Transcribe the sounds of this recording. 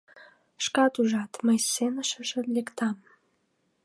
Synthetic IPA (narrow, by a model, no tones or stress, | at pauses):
ʃkɑt̪uʒɑt̪məjsenəʃəʃəlekt̪ɑm